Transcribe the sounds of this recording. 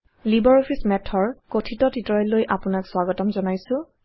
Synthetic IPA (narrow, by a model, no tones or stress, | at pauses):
libɔɹopʰismɛtʰɔɹkotʰitɔtitɹɔjlːojʔapʊnakswaɡɔtɔmzɔnajsʊ̃